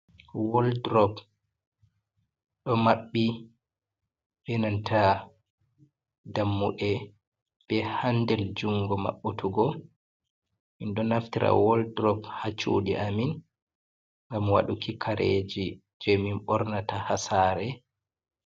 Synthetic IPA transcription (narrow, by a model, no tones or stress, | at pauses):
wɔldɾɔp | ɗɔmaɓːi | bɛnantʰa | damːuʔɛ | b̥ɛhandɛld͡ʒuŋɡɔma̰ɓːutʰuɡɔ | minɗɔnaftiɾa̰wɔldɾɔphat͡ʃṵɗiʔamin | ŋɡamwa̰ɗukikʰaɾḛd͡ʒi | d͡ʒɛminɓɔɾnatahasaɾɛ